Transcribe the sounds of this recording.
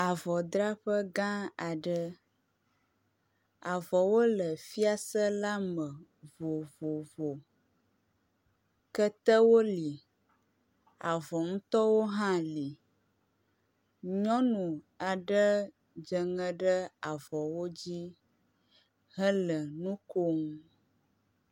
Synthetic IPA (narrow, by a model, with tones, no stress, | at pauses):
a˨vɔ˨d̪ɾa˦ɸə˦ɡã˦a˨ɖə˦ | a˨vɔ˨wo˦lə˨fi˦a˦sə˦la˦mə˨ | vo˨vo˨vo˨ | kə˦t̪ə˦wo˦li˨ | a˨vɔ˨ŋũ˦t̪ɔ˦wo˦ɦã˦li˨ | ɲɔ̃˦nũ˨ | a˨ɖə˦ | d͡ʒə˨ŋə̃˦ɖə˦a˨vɔ˨wo˦d͡ʑi˦ | ɦə˦lə˨nũ˦ko˦ŋ˦